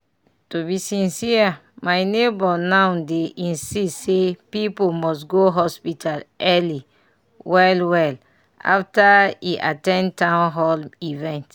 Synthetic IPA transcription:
tubisĩnsia | majnebɔnãwdeʔĩnsistsepipomɔs̬ɡoɦɔspitʰalʔɛli | wɛlwɛl | a̰ftaiʔa̰tɛ̃ntãw̃nɦɔlivɛ̃nt

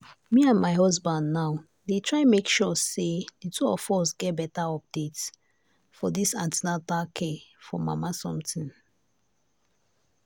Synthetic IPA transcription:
miãnmaɪɦɔzbãndnaʊ | detʰɹaɪmekʃɔseðitʰuɔfɔsɡɛt̚bɛtaɔp̚d̥et | fɔðisãntinatakʰefɔ̰ma̰masɔ̃mtĩn

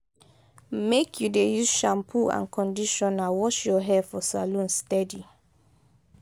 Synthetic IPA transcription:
mekʰjudejuzʃãmpʰuã̰nkʰɔ̃ndiʃɔ̃nawɔʃjɔɦɛfɔsalũnstɛdi

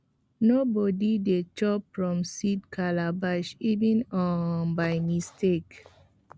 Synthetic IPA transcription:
nobɔdidet͡ʃɔpfɹɔ̃msidkʰalabaʃivĩnɔ̃nbajmistek

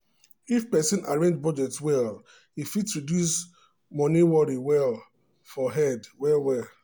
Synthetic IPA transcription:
ifpɛsɔ̃nʔaɹẽnd͡ʒbɔd͡ʒɛtwɛl | ifidsɹidjus | mɔ̃niwɔɾiwɛl | fɔɦɛdwɛlwɛl

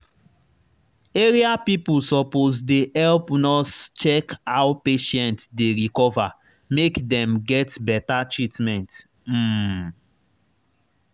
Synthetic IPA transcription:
eɹiapipulsɔpozdehɛlpnɔst͡ʃɛkawpeʃɛ̃ntdeɹikɔva | mekdɛ̃mɡɛtbɛtatɹitmɛ̃nt̩

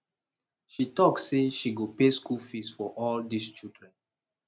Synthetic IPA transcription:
ʃitɔksːeʃiɡopeskulfisfɔʔɔldist͡ʃildɹɛ̃n

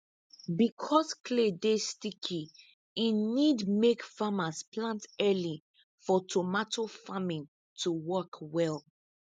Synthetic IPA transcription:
bikʰɔskʰledestikʰi | inidmekfamasplãntɛli | fɔtʰomatofamĩn | tʰuwɔkwɛl

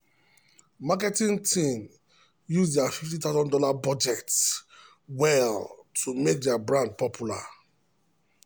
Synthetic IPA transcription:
mak̬ɛtĩŋtʰĩn | juzdɛafiftĩt̪aʊzɔ̃ndɔlabɔd͡ʒɛts | wɛltʰumek̚dɛabɹãnd̚pɔpʰjula

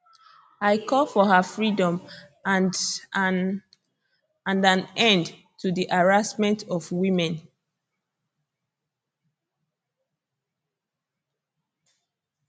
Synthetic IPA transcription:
aɪkʰɔfɔɦəfɹidɔ̃m | ãndãnɛ̃nd | tudiʔaɹasmɛ̃ntɔvwĩmɛ̃n

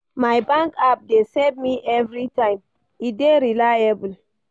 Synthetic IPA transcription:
majbãŋkap̚desevmiʔɛvɹitãj̃m | ideɾilajabul

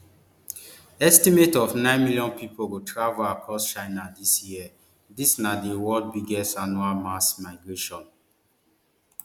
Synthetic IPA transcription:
ɛstimetɔfnãɪ̃nmiljɔ̃npipʰoɡotʰɹavolakʰɔst͡ʃãɪnadisjiɛ | disnadewɔld̚biɡɛstanualmasmaɪɡɹeʃɔ̃n

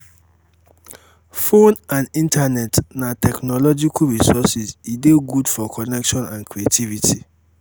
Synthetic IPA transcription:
fõnãnĩntʰanɛtnãtʰɛknɔlɔd͡ʒikʰɹisɔsizideɡudfɔkʰɔnɛkʃɔ̃nãnkʰɹietʰivitʰi

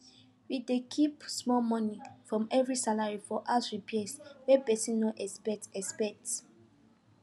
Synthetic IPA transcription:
widekʰipsmɔmɔ̃nifɹɔ̃mɛvɹisalaɹifɔʔasɹipɛswɛpɛsĩnnoʔɛspɛtɛspɛk̚t

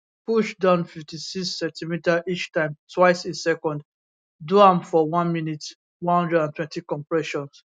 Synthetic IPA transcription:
puʃdãʊ̃nfiftisiksːɛ̃ntimitaʔit͡ʃtãɪ̃mtʰwaɪsĩsɛkɔ̃nd | duãmfɔwãnminit | wɔ̃nhʌ̃ndɹɛdãntʰwɛ̃ntikɔ̃mpɹɛʃɔ̃ns

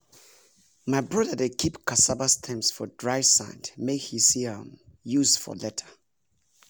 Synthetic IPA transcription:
maɪbɹʌðədekʰipkʰasabastʰɛ̃mpsfɔdɹaɪsã̰ɪ̃ndmekhisiãmjuzfɔ̰lɛtʰə̥

